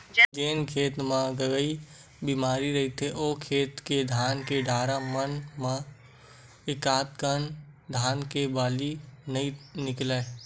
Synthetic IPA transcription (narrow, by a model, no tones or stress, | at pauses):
d͡ʒeːnkʰeːt̪mãɡəɡəi | biːmaːɾiɾəɦit̪eʔoːkʰeːt̪ked̪ʱaːnkeɖʱaːɾamənmã | ɪkaːt̪kənd̪ʱaːnkebaːlinəinɪklɛ